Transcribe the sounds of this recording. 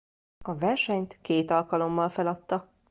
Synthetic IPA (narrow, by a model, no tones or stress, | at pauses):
ɒvɛrʃɛɲt̪keːt̪ɒlkɒlo̞mːɒlfɛlɒt̪ːɒ